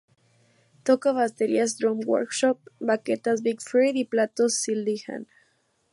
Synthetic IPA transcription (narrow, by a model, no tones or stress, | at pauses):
t̪okaβast̪eɾias̬d̪ɾomwo̰ɾkʃop̚baket̪as̬bikfɾiðiplat̪osːild̪iha̰n